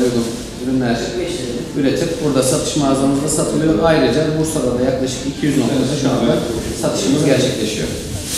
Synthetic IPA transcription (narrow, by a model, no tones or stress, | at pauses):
ujɡun | yɾymlʲæɾ̥ | yɾet̪ʰɛpbuɾd̪asat̪ʰɯ̥ʃmaːzamɯzd̪asat̪ʰɯlˠɯjo̞ɾajɾɯd͡ʒabusoɾad̪ajaklˠaʃɯ̥kicʰijyzno̞k̚t̪ʰsɯʃuand̪asat̪ʰɯ̥ʃɯmɯzɟæɾt͡ʃʰɛclʲe̞ʃijo̰ɾ